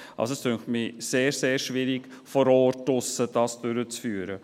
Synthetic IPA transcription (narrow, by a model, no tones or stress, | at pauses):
ɑ̰lsoɛstʰøŋxtmɪseːɾseːɾʃʋɪɾɪk | fɔɾɔːrtːʊsəd̥ɑːsd̥øɾət͡sfyːɾə